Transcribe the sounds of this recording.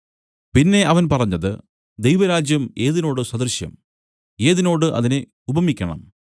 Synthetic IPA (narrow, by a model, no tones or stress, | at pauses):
pinːe̞ɐʋɐnpɐrɐɲːɐðɨ̰ | d̪ejʋɐɾaːd͡ʑjɐme̞ːðino̞ːɽɨswɐd̪ɐrɕjɐ̰m | e̞ːðino̞ːɽɨʔɐ̰ðine | ubʱɐmikʲːɐɳɐ̰m